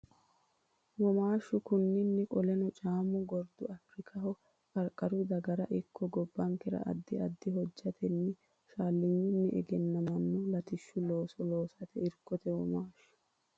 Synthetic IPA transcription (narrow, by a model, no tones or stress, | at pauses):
wɔmaːʃʊkʊnːɪnːɛkʼɔlɛnɔt͡ʃʼaːmʊɡɔɾd̪ʊɐfɾɪkʰɐhɔ | kʼɐɾkʼːɐɾʊd̪ɐɡɐɾɐʔɪkʰːɔɡɔbːɐŋkɛɾɐ̰ʔɐ̰d̪ːɪɐd̪ːɪɦɔd͡ʒːɐt̪ʰɛnːɛ | ʃaːlːɪɲːɪnːɛʔɛɡɛnːɐmɐnːʊlɐt̪ɪʃːʊlo̞ːsɔlo̞ːsɐt̪ɛɪɾkːɔt̪ɛwɔmaːʃːʊ̥